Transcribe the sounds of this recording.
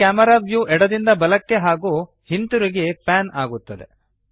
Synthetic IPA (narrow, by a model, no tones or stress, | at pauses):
aːmɐɾaːʋjuːʔɛɽɐd̪ind̪ɐbɐlɐkːe̞ɦaːɡuː | hint̪uɾiɡe̞paːnaːɡut̪ːɐd̪e̞̰